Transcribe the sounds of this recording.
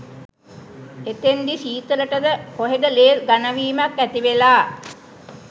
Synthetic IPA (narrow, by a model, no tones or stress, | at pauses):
et̪end̪isiːt̪əɾəʈəd̪əpoɦed̪əleːɾɡanəʋiːmakːæt̪iʋelaː